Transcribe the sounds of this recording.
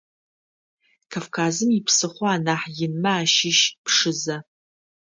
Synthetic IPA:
kʰavkʰaːzɨmɪpʰsɨχʷɔaːnaːħjɪnmaaːʃɪʃpʰʂɨzɐ

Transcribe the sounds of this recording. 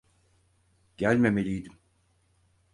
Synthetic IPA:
ɟ̥ælʲme̞me̞lʲijd̪im

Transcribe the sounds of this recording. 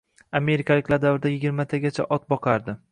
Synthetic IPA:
ame̞ɾɪkʰalɪkʲlaɾd̪avɾɪd̪ajɪɡʲɪɾmat̪ʰaɡʲat͡ʃʰa̰ʔɒt̪̚bɒqʰɑɾd̪ɪ

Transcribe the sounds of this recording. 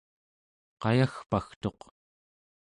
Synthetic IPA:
qɑjaxpaxt̪o̞q

